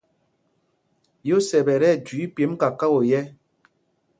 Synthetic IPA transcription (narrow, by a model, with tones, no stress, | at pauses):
jo˦sɛ˨bɛ˨ɾɛ˦˨dwi˨˦pje˨˦mka˨ka˦wo˨jɛ˦